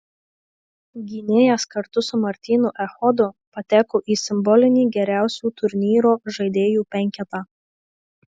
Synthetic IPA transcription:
ɡʲiːnʲeːjɛskɐɾt̪ʊsʊmɐɾʲt̪ʲiːnʊʔɛxɔd̪ʊpɐt̪ʲæːkoːʔiːsʲɪmbɔlʲɪnʲiːɡʲɛɾʲæˑʊsʲuːt̪ʊɾʲnʲiːɾoːʒɐɪd̪ʲeːjuːpʲɛŋʲˑkʲɛt̪ɑː

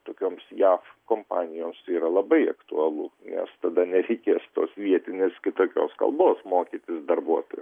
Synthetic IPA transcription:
t̪oːkʲoːmsjɑːfkoːmpɑ̰ːnʲɪjoːmsiːɾɐlˠɐbɐɪɐkt̪ʊɐlˠʊnʲɛ̰st̪ɐd̪ɐnʲɛɾʲɛɪkʲeːst̪oːsʋʲiɛt̪ʲɪnʲeːskʲɪt̪oːkʲo̰ːskɐ̰lˠboːsmoːkʲit̪ʲɪsd̪ɐrbuɔt̪o̰ːj

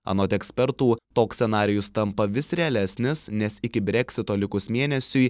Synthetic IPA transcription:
ɐ̰noːt̪ʲɛksʲpʲɛɾt̪uːt̪oːksʲsʲɛnɑːɾʲɪjʊst̪ɐmpɐʋʲɪsɾʲɛɐlʲæsʲnʲɪsnʲɛsɪkʲɪbʲɾʲɛkʲsʲɪt̪oːlʲɪkʊsmʲeːnʲɛsʲʊj

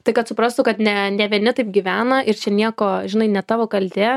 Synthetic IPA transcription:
t̪ɐɪkɐt̪sʊpɾɑst̪ʊkɐt̪nʲɛnʲɛʋʲiɛnʲɪt̪ɐɪp̚ɡʲiʋʲæːnɐʔɪɾt͡ʃʲɛnʲiɛkoːʒʲɪnɐɪnʲɛt̪ɑːʋoːkɐlʲd̪ʲeː

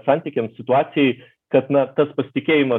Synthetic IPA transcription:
sɑːnʲt̪ʲiɪkʲɛmssʲɪt̪ʊɑːsʲɪjɛɪ | kɐt̪nɐt̪ɐspɐsʲɪ̥t̪ʲɪkʲeːjɪmɐ

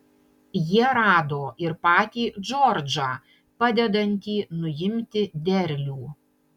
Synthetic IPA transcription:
jiɛɾɑːd̪oːɪɾpɑːt̪ʲiːd͡ʒɔɾd͡ʒɑː | pɑd̪ʲɛd̪ɐnʲt̪ʲiːnʊjɪmʲt̪ʲɪd̪ʲɛɾʲlʲuː

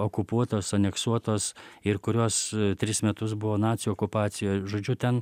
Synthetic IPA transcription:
oːkʊpuɔt̪oːsɐnʲɛksuɔt̪oːsɪɾkʊɾʲuɔst̪ʲɾʲɪsmʲɛt̪ʊsbʊʋoːnɑːt̪ʲsʲɪjuɔːkʊpɑːt̪sʲɪjoːjʒoːd͡ʒʲʊt̪ʲɛn

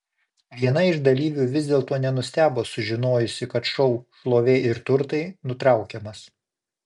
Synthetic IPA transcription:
ʋʲiɛnɐɪʒd̪ɐlʲiːʋʲuːʋʲɪzʲd̪ʲeːlˠt̪oːnʲɛnʊsʲt̪ʲæːboːsʊʒʲɪnoːjʊsʲɪkɐt̪ʃɔʊʃlˠoːʋʲeːɪɾt̪ʊɾt̪ɐɪnʊt̪ɾɑˑʊkʲɛmɐs

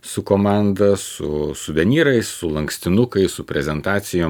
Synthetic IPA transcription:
sʊkoːmɑˑnd̪ɐsʊ̰sʊʋʲɛnʲiːɾɐɪssʊlˠɐŋksʲt̪ʲɪnʊkɐɪsʊpʲɾʲɛzʲɛnt̪ɑːt̪sʲɪjoː

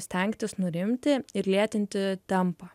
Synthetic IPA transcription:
sʲt̪ʲɛŋʲkt̪ʲɪsnʊɾʲɪmʲt̪ʲɪɪɾlʲiɛt̪ʲɪnʲt̪ʲɪt̪ʲɛmpɑ

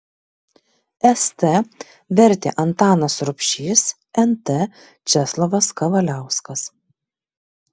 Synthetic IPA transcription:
ɛst̪ɛ | ʋʲɛɾʲt̪ʲḛːʔɐnt̪ɑːnɐsɾʊpʲʃʲiːs | ɛnt̪ɛ | t͡ʃʲɛslˠoʋɐskɐʋɐlʲæˑʊskɐs

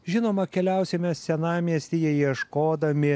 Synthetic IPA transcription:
ʒʲɪnoːmɐkʲɛlʲæˑʊsʲɛmʲɛsʲɛnɑːmʲiɛsʲt̪ʲijɛjiɛʃkoːd̪ɐmʲɪ

